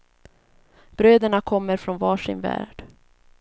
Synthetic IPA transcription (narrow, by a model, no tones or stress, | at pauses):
b̥ɾøːd̪əɳakʰɔmːəɾfɾɔnvɑːʂɪ̰nvæ̰ːɖ̥